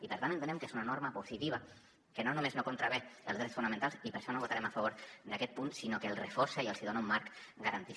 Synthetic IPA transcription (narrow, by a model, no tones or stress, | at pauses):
ipəɾt̪antent̪enɛmkezunanoɾməpusit̪iβ̞ɐ | kənonumeznokunt̪ɾaβɛəlzðɾɛtsfunament̪alˠsipəɾʃɔnoβot̪aɾɛmafəβoɾd̪akɛt̪̚punsinokəlˠrəfoɾsəiəlˠziðonaumːaɾk | ɡəɾant̪i